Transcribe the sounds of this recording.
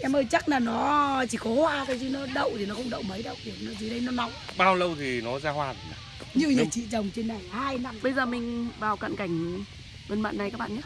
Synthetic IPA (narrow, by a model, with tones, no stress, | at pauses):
ʔɛ˧mʔəː˧˩jt͡ɕa˦˥k̚laː˨˩nɔ˨˦t͡ɕi˧˩kɔ˨˦hwaː˧kaː˨˦jzi˧˦nɔ˨˦ɗə̰˧˨wt̪ʰi˨˩nɔ˨˦xə˧wŋ͡mɗə̰˧˨wmə˨˦jɗə̰˧˨wt̪ʰi˨˩˨nɔ˨˦zi˨˦ɗə˧jnɔ˨˦na̰˧˨wŋ͡mʔɓaː˧wlə˧wt̪ʰi˨˩nɔ˨˦zaː˧hwaː˨˩n˨a˨ | ɲɨ˧˨əwɲə˨˩k̚t͡ɕḭ˧˨t͡ɕə˨˩wŋ͡mt͡ɕe˧nːa˨˩jhaː˧jna˧mɓə˧jzəː˨˩mï˨˩ŋ̟vaː˨˩wka̰˧˨nka˨˧˩jŋ̟ | ɗə˧nɓa̰ː˧˨nːa˨˩jkaː˦˥k̚ɓa̰ː˧˨ɲaː˦